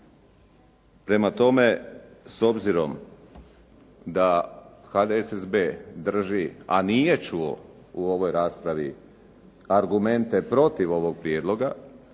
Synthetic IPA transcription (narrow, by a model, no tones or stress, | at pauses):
pɾe̞mat̪o̞me̞so̞bziɾo̞m | d̪axad̪eesezbeːd̪r̩ʒia̰nije̞t͡ʃuo̰ | uo̞ʋo̞jɾaːspɾaʋi | aɾɡume̞nt̪e̞pɾo̞t̪iʋo̞ʋo̞ɡ̚pɾijeːd̪lˠo̞ɡa